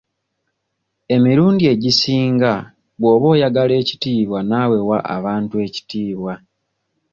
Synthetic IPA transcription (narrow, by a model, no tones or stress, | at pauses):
e̞miɾuːndie̞ɟisiːŋɡa | βwo̞ːβo̞ːjaɡale̞ːci̥tiːβwanawe̞waʔa̰βaːntue̞ci̥tiːβwa